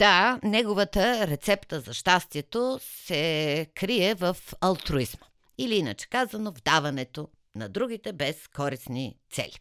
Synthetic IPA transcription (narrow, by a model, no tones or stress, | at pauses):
d̪̥anɛɡovət̪əɾɛt̪sɛpt̪əzɐʃt̪ast̪iɛt̪osɛkɾiɛvɐfɐlˠt̪ɾoizmə̥ | iliinə̰t͡ʃɛ̥kazɐnovd̪avɐnɛt̪o | nɐd̪ɾuɡ̟it̪ɛbɛskɔɾisnḭt̪sɛ̰lḭ